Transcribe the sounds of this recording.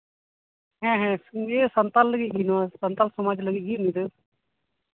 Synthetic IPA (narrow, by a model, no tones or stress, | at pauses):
ɦɛ̃ːɦɛ̃eːsənt̪alːəɡiɡinaːsənt̪aːlsəmaːd͡ʒləɡiːɡiːnĩd̪e